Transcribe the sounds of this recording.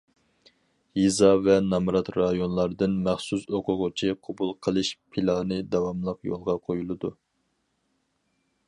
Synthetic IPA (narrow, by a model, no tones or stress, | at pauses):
jizɑvɛnɑmɾɑt̪ɾɑjonlˠɑɾɨd̪ɨnmæχsusoqʰʊʁʊt͡ʃʰiqʰɑbulˠqʰəlˠɨʃpʰilˠɑnɨd̪ɑwɑmlˠəqjo̰lˠʁɑqʰojulˠɨd̪u